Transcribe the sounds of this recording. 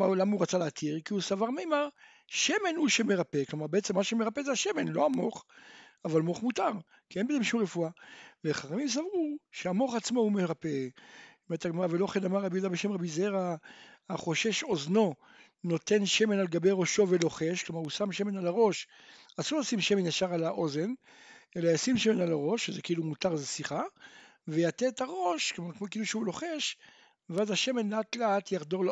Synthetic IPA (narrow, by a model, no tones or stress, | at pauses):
alamauʁat͡saleat̪ʰiʁkiusavaʁmemaʁ | ʃe̞me̞nhuʃeme̞ʁapeklomaʁbeet͡semːaʃeme̞ʁapezeaʃeme̞nlo̞amo̞χavalmo̞χmutaʁ | kie̞nbezemʃumʁefuaveχaχamims̬avʁuʃeamo̞χat͡smohumeʁapemet̪aɡmaʁavelo̞χenamaʁːabijud̪abeʃe̞mʁabizeʁaaχo̞ʃeʃo̞zno̞ | no̞te̞nʃe̞me̞nalɡabe̞jʁo̞ʃo̞velo̞χe̞ʃklomaʁhusamʃeme̞nalaʁo̞ʃ | asulosimʃemenjaʃaʁalaʔoze̞n | e̞lajasimʃemenalaʁo̞ʃːezekiilumutaʁzesiχavejatetaʁo̞ʃkomaʁkmokeiluʃeulo̞χeʃ | veazaʃe̞me̞nleatleatjaχdoʁl